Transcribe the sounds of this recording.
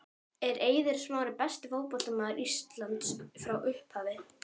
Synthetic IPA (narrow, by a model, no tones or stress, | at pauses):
ɛɾʔeːjðɪɾ̥smaːwɾɪpɛst̪ɪvoːwpɔlt̪amaːðʏɾist̪lant̪sfɾawʔʏhphaːvɪ